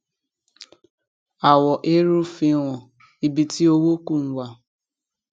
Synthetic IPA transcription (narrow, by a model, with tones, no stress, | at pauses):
a˨wɔ˨ʔe˦ɾu˦fi˦wʷɔ̃˨ | i˨bi˨tʰi˦o˦wo˦ku˦˨ŋ̩˨wa˨